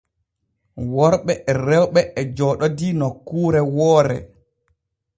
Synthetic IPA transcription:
wɔɾɓɛɛrɛwɓɛʔɛd͡ʒɔɗɔdinɔkːuːɾɛwɔːɾɛ̰

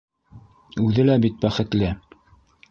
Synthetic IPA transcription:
ʉðɘlæbit̪̚bæχɘ̆t̪lɘ

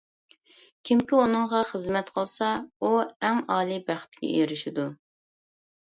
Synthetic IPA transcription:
kʲʰimkʲiunɨŋʁɑχəzmɛt̪qʰəlˠsɑuɛŋɑːlˠibæχt̪̚ɡʲɛ̰eɾɪʃid̪u

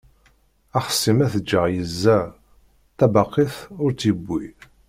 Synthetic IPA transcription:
æχə̥sːimæθəd͡ʒːəʁjəzːæ | t̪ːæbɑqːiθʊɾt͡sibːi

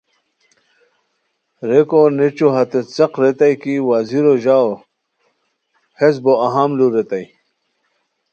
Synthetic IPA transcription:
ɾekonet͡ɕuɦɐt̪et͡sɐqɾet̪ajkiwaziɾoʑao | hezboɐɦamluɾet̪aj

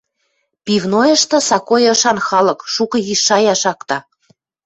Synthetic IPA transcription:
pivnojɤʃt̪ɤ̆sɑkojɤʃɑnxɑlɤ̆kʃukɤ̆ɣiʃːɑjɑʃɑkt̪ɑ

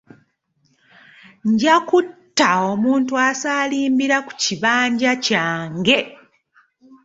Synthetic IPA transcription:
ɲɟakutːaomuːntuasaːliːmbiɾaku̥ciβaːɲɟacaːŋɡe̞

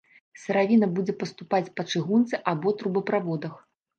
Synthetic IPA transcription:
sɐɾavʲinɐbud͡zʲɛpɐst̪upat͡sʲpɐt͡ʂɨɣunt̪sɨʔabɔt̪ɾubɐpɾavɔd̪ɐx

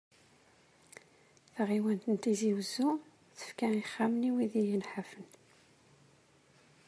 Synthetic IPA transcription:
θʁiwænt̪ənt̪iziwəzːu | θə̥fkæiχːamniwiðijənħafən

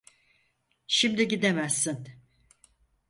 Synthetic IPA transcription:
ʃimd̪iɟid̪emæsːin

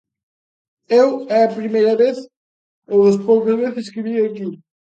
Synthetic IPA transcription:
ewɛɐpɾimejɾɐβeθ | ewɐspowkɐzβeθɪskɪviɐki

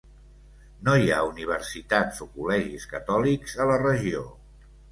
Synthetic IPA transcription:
noja̰uniβ̞əɾsit̪azokulɛʒiskət̪ɔlikzələrəʒio

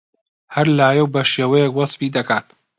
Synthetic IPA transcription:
hɐɾlaːjɐwbɐʃeːwɐjɛkwɐsˤfiːd̪ɐkʰaːt̪

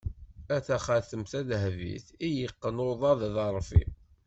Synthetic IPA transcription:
æθæχæθəmθæðɦvḭθijəqːənoðˤɑððɑɾˤfḭ

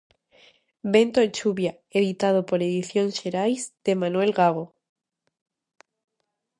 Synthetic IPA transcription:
be̞nt̪oet͡ʃuβja | eðit̪að̞opoɾeðiθjõnʃeɾajzd̪̥emãnwelɣaɣ̞o

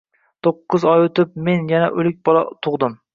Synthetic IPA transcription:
t̪ʰoqːɨzɒjɵt̪ɪp̚me̞njanaʔɵlɪk̚ʲbɒlˠɒ̰t̪ʰʊʁd̪ɪm

